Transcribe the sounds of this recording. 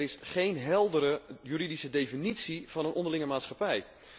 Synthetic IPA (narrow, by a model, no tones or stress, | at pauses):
ɾɪsχejnɦɛlˠdəɾəjyɾidisədefinitsiv̥ɑnənɔndəlɪŋəmaːtsχɑpɛj